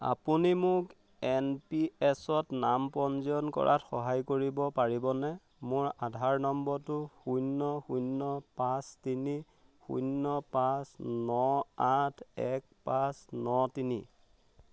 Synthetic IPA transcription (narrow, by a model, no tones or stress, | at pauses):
a̰punimʊk | ɛnpiɛsɔtnampɔnziɔnkɔ̰ɹʔatxɔɦajkoɹibɔpaɹibɔnɛ | mʊɹadʱaɹnɔmbɔɹtʊxujnːɔxunːɔpastini | xṵnːɔpasnɔatʰɛk̚pasnɔtinḭ